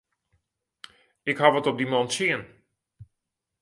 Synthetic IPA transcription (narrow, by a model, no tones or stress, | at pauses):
ɪkɦaʋɔtɔp̚dimɔntsiən